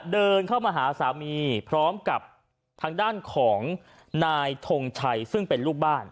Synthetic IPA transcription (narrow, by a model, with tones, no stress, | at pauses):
dɤː˧nkʰa˥˩wmaː˧ɦaː˩˦saː˩˦miː˧pʰɾɔː˦˥mka˨˩p̚ | t̪ʰaː˧ŋdaː˥˩nkʰɔː˩˦ŋ | naː˧jt̪ʰo˧ŋt͡ɕʰa˧jsɯ˥˩ŋpe˧nluː˥˩k̚baː˥˩n